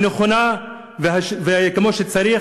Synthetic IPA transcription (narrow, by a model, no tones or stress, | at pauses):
neχona | veɦaʃvekemo̞ʃet͡saɾi